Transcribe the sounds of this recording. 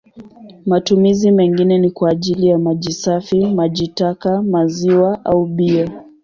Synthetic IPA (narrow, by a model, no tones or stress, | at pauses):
matumizimɛŋɡinɛnikwaːʄilijamaʄisafimaʄitakamaziwaʔauɓia